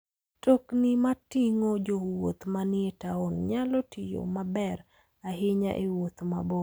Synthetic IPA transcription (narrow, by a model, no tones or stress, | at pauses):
toknɪmatɪŋod͡ʒowot̪manɪetaonɲalɔtʰɪjo̰mabɛɾ | aɦɪɲa̰ʔewot̪ma̰bo